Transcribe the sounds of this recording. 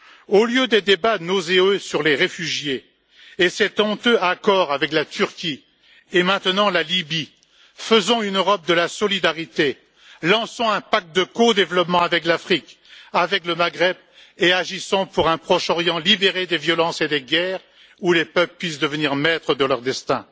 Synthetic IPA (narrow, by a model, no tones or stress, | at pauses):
oljød̪ed̪ebanozeøsyʁleʁefyʒjeː | sɛt̪ɔ̃t̪øakɔʁavɛklat̪yʁkʲi | emɛ̃t̪nɑ̃lalibi | fəzɔ̃ynøʁɔp̚d̪əlasɔlid̪aʁit̪e | lɑ̃sɔ̃ɛ̃pak̚t̪̚d̪əkod̪evlɔpmɑ̃avɛklafχik | avɛkləmaɡʁɛb̚ | eaʒisɔ̃puʁɛ̃pχɔʃɔʁjɑ̃libeʁed̪evjɔlɑ̃sed̪eɡʲɛːʁ | ulepœpləpːɥis̬d̪əvəniʁmɛt̪χəd̪əlœʁd̪ɛst̪ɛ̰̃